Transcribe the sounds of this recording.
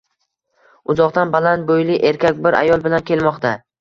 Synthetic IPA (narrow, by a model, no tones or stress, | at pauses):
ʊzɒqt̪anbalant̪̚bojlɪʔe̞ɾkʲakʲbɪɾʔa̰jɒlˠbɪlankʲʰe̞lˠmɒqt̪ʰa